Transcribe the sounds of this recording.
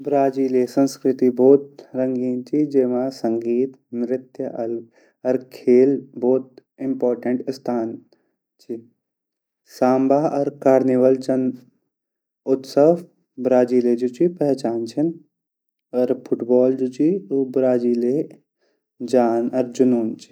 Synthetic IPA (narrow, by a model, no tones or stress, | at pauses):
bɾaːd͡ʒiːlesə̃nskɾɪt̪ibɔːt̪̚ɾɐŋɡiːnt͡ʃʰid͡ʒemasɐ̃ŋɡiːt̪ | nɾɪt̪jəʔɐlɡ | ɔɾkʰeːlbɔːt̪̚ɪ̃mpɔːɾʈəɳʈst̪ʰaːn | t͡ʃʰi | saːmbaːɔɾkaːɾniʋəld͡ʒɐn | ʊt̪sə | bɾaːd͡ʒiːled͡ʒut͡ʃipɛɦɛt͡ʃaːnt͡ʃʰin | ɔɾpʰʊʈbɔːld͡ʒut͡ʃiobɾaːd͡ʒiːle | d͡ʒaːnɔɾd͡ʒʊnuːnt͡ʃʰi̥